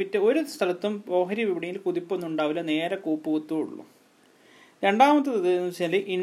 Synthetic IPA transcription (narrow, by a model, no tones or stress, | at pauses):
pinːeo̞ɾust̪ʰɐlɐt̪ːumo̞ːɦɐɾiʋiʋɐɽijilkuðipːonːuɳɖaːʋilɐne̞ːɾɐkuːpːuʋut̪ːuːɽṵɭːṵ | ɾe̞ɳɖaːmɐt̪̬ːɨt̪ɐðinumsɐlɨʔiɳ